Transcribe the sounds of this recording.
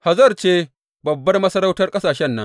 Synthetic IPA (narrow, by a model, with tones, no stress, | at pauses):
ha˨zɐ˦˨rt͡ʃeː˦ | bɐ˨bːɐ˦rmɐ˦sɐ˦ɾa˦wtɐ˦rkʼɐ˦saː˨ʃɛ˦nːɐ̰˦ŋ